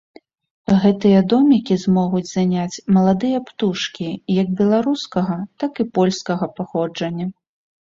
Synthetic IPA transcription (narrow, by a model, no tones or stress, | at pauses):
ɣɛt̪ɨjɐd̪ɔmʲikʲizmɔɣud͡zʲzanʲat͡sʲmɐlˠad̪ɨjɐpt̪uʂkʲijɐɡ̚bʲɛlˠaɾuskɐɣɐt̪akɨpɔlʲskɐɣɐpaxɔd͡ʐɐnʲːɐ